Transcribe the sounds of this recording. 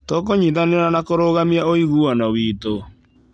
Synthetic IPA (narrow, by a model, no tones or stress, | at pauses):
tɔk̬oɲiðaneɾanakoɾoɣamiaoiɣuanawiːto